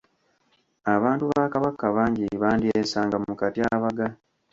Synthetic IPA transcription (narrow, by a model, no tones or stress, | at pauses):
aβaːntuβaːkaβakːaβaːɲɟiβaːndiesaːŋɡamukatiaβaɡa